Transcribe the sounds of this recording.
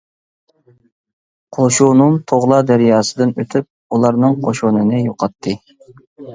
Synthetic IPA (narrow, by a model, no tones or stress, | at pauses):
qʰoʃununt̪ʰoʁlˠɑd̪æɾjɑːsɨd̪ɨnøt̪ʰyp̚ | ulˠɑɾnɨŋqʰoʃonɨnɨjoqʰɑt̪ʰːɨ